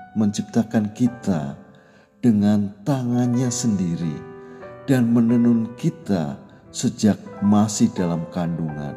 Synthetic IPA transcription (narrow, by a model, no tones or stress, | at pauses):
məɲt͡ʃip̚t̪akankit̪a̰ | d̥əŋant̪aŋanɲasəndiɾḭd̥anmənənʊnkit̪a̰ | səd͡ʒak̚masɪhdalamkanduŋa̰n